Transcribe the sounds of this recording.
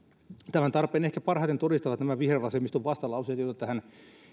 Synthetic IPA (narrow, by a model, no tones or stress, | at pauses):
t̪æmænt̪ɑrpeːnehkæpɑrhɑˑit̪ent̪odist̪ɑʋɑt̪næmæʋihreʋɑsemist̪oʋʋɑst̪ɑlɑusiɑt̪jot̪ɑt̪æhæn